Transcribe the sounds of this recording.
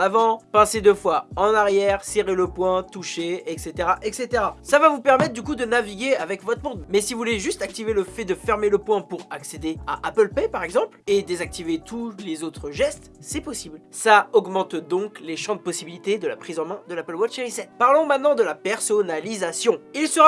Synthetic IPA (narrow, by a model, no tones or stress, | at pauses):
navɑ̃pɑ̃sed̪øfwaɑ̃naʁjɛʁseʁeləpwɛ̃t̪uʃeɛkset̪eʁaʔɛkset̪eʁasavavupɛʁmɛt̪χd̪yk̬ud̪ənaviɡʲeavɛkvɔt̪χmɔ̃d̪mɛsivuvuleʒyst̪ak̚t̪iveləfɛd̪əfɛʁmeləpwɛ̃puʁaksed̪ea̰ʔapəlpepaʁɛɡzɑ̃pled̪ezak̚t̪ivet̪ulezot̪χəʒɛst̪sɛpɔsiblsaɔɡmɑ̃t̪d̪ɔ̃kleʃɑ̃d̪əpɔsibilit̪ed̪əla̰pχizɑ̃mɛ̃d̪əlapəlwat͡ʃeʁisɛt̪paʁlɔ̃mɛ̃t̪nɑ̃d̪əlapɛʁsɔnalizasjɔ̃ilsəʁa